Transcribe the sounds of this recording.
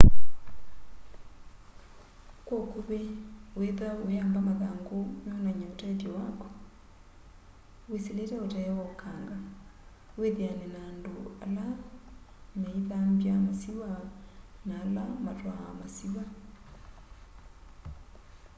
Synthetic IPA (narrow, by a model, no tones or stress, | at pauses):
kwɔkoβeweðaojambamaðaːŋɡomonaɲaotatjɔwakɔ̥ | weseletɛotajɛwɔkʰaŋɡa | weðeanɛnaːndoala | meiðambjamasiwa | naːlamatwaamasiwa